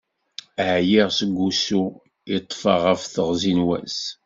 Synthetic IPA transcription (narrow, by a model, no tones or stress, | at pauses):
ʕjiʁsəɡʷːusu | it̪ˤːfɑʁəfθəʁzinwæ̰s